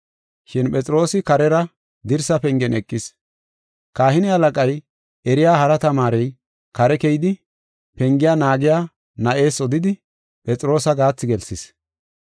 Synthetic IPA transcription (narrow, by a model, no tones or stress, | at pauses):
ʃɪnpʼɛt͡sʼɾo̞ːsɪkɐɾɛɾɐ | d̪ɪɾsɐpɛŋɡɛnɛkʼːɪs | kaːhɪnɪhɐlɐkʼɐj | ɛɾɪjaːhɐɾɐt̪ɐmaːɾɛj | kɐɾɛkɛjɪd̪ɪ | pɛŋɡɪjaːnaːɡɪjaː | nɐʔe̞ːsɔd̪ɪd̪ɪ | pʼɛt͡sʼɾo̞ːsɐɡaːt͡sːɪɡɛlsɪs